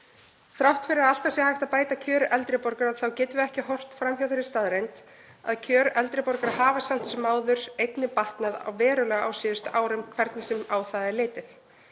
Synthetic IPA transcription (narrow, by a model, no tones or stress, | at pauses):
θɾawht̪fɪɾɪɾaðal̥t̪asjɛhajft̪apaːjt̪acʰœːɾʔɛlt̪ɾɪpɔɾkaɾaðθawcɛːt̪ʏvɪɛhcɪɦɔr̥t̪fɾamçjawðɪɾɪst̪aðɾejnt̪ | a̰ðcʰœːɾʔɛlt̪ɾɪpɔɾkaɾahaːvasam̥t̪sɛmːaːwðʏɾ̥ejt̪nɪpaht̪naða̰wvɛːɾʏlɛɣa̰ːwsiːðʏst̪aːwɾʏmkʰvɛɾt̪nɪsɛmaːwθaðɛɾleːjt̪ɪθ